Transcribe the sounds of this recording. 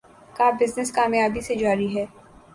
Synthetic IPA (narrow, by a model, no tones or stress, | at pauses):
kaːbɪznɪskaːmjaːbised͡ʒaːɾiɦɛː